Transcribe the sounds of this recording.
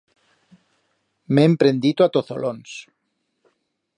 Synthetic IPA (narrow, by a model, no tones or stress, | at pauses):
meːmpɾẽnd̪it̪oat̪oθo̰lons